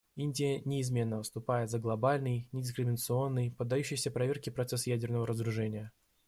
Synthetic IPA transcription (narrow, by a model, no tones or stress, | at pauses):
inʲdʲɪjənʲɪːzmʲe̞nːəvɨst̪ʊpajɪt̪zəɡlˠɐbalʲnɨjnʲɪdʲɪs̬kɾʲɪmʲɪnət̪sɨo̞nːɨjpəd̪ːɐjuɕːɪjsʲəpɾɐvʲerkʲɪpɾɐt̪sɛsjædʲɪrnəvəɾəzəɾʊʐɛnʲɪjə